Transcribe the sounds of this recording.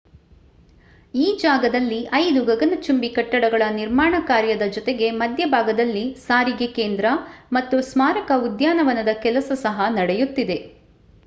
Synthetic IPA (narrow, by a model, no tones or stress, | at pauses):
iːd͡ʒaːɡɐd̪ɐlːiʔɐjd̪uɡɐɡɐnɐt͡ʃumbikɐʈːɐɽɐɡɐɭɐniɾmaːɳɐkaːɾjɐd̪ɐd͡ʒɔt̪eɡe̞mɐd̪jɐbʱaːɡɐd̪ɐlːisaːɾiɡekeːnd̪ɾɐmɐt̪ːusmaːɾɐkɐud̪jaːnɐʋɐnɐd̪ɐkɛlɐsɐsɐɦɐnɐɽejut̪ːid̪e̞